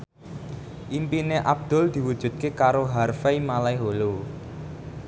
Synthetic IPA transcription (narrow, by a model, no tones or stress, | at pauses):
ʔimpineʔab̚d̪̥ʊ̤ld̪̥i̤wud̥ʒ̥ṳt̪̚kekaɾoɦarfeimalaiɦolo